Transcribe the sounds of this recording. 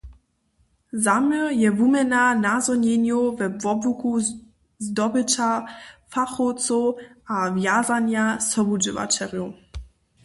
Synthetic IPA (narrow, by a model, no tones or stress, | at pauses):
zamɛjɛvumɛnanazɔɲɛɲjuvɛvɔbuku | zdɔbɪt͡ʃafaxɔtt͡sɔʔavjazanjasɔbud͡ʒɪva̰t͡ʃɛlju